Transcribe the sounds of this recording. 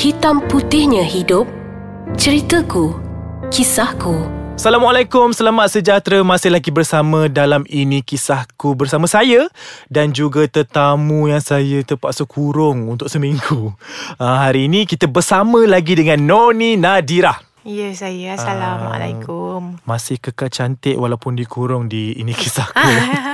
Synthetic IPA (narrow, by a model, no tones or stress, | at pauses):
hit̪amput̪ɪhɲə̃hidʊp̚ | t͡ʃəɾit̪əku | kisahkusalamwalakʊmsəlamat̪̚səd͡ʒat̪ɾəmãsɪhlaɡibərsamə̃dalaminĩkisahkubərsamə̃sajədand͡ʒuɡat̪ərt̪amujaŋsajət̪əpaʔsəkʰuɾʊŋunt̪ʊksəmiŋɡuəɦaɾiːnĩkit̪əbərsamə̃laɡidəŋãnːoninadiɾah | jəsajasaama̰la̰kummãsɪhkəkalt͡ʃant̪ɪʔwalawpʊndikʰuɾʊŋdḭːnĩkisahku